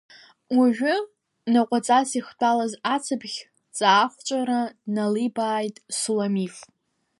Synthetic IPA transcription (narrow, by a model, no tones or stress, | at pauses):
wuʒᶣʊ | naqʷʼat͡sʼasiχt͡pʷʰʼalazat͡sʰɨbχʲ | t͡sʼaːχʷt͡ʃʷʼaɾanalibaːjtʼsulamif